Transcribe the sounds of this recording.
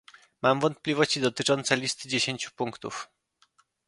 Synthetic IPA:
mamvɔnt̪̚pʲlʲivɔɕt͡ɕid̪ɔt̪ɘt͡ʂɔnt̪sɛlʲist̪ɘd͡ʑeɕeɲt͡ɕu̥puŋkt̪ṵf

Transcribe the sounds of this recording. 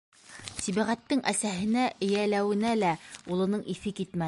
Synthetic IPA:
siβæʁæt̪ːɘŋʔæsæɦɘ̆næʔɘ̆jælæwɘ̆nælæulˠɤ̆nɤɴifɘkit̪mæ

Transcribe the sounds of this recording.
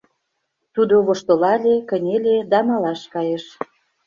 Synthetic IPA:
t̪ud̪oβoʃt̪olɑlʲekə̆nʲelʲed̪ɑmɑlɑʃkɑjeʃ

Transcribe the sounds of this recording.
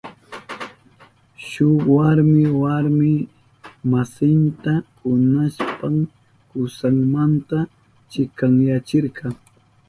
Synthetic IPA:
ʃʊwaɾmɪwaɾmɪ | masɪnt̪ahʊnaspam | kʊsaŋmant̪a | t͡ʃɪkaŋjat͡ʃɪɾkɑ

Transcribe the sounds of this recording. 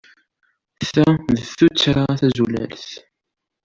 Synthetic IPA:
θæðəθut͡sːɾaθæzulæ̰lθ

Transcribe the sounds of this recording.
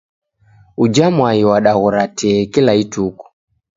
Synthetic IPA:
ud͡ʒamwaiwaɗaɣuɾatɛːkilaituku̥

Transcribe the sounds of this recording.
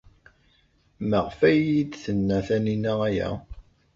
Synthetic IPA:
məʁfæjid̪θənːæθæninææjæ̰

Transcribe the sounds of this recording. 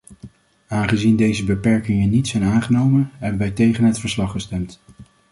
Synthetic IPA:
aːnχəzindejzəbəpɛɹkɪŋənitsɛjnaːnχənowmənɦɛbənʋɛjtejχənɦətfəɹslɑχəstɛmt

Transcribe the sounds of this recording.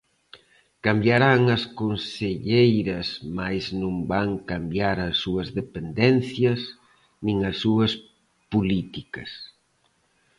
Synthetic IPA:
kambjaɾaŋɐskonseʎejɾɐsmajznũmbaŋkambjaɾɐsːuɐzðepend̪ɛnθjɐs | nĩŋɐsːuɐs | pulit̪ikɐs

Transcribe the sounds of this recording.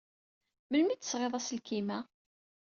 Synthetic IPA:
məlmit̪ːə̥sʁeðˤæslkimæ

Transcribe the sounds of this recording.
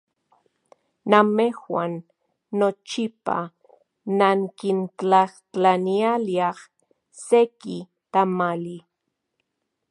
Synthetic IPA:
namexwanː | ot͡ʃipa̰ | naŋkint͡ɬaxtanialiɑχ | seki | t̪amali

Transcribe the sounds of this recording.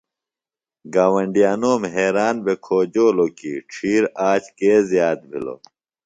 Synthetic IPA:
ɡaːwɐɳɖijaːnoːmɦeːɾaːnbekʰoːd͡ʑoːloːkiːʈ͡ʂʰiːɾaːt͡ɕkeːzjaːt̪̚bʱḭlo̰

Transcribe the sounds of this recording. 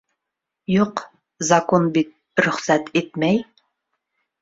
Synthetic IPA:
joq | zɑkonbit̪̚ | ɾɵχsæt̪et̪̚mɛj

